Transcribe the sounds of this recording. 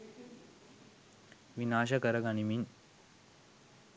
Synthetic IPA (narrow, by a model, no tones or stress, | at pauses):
ʋinaːʃəkəɾəɡanimin